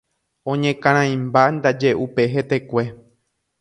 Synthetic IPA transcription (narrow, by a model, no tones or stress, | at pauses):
õ̞ɲẽkãɾ̃ãj̃mband̪ad͡ʒe̞ʔupe̞ɦe̞t̪e̞kʷe̞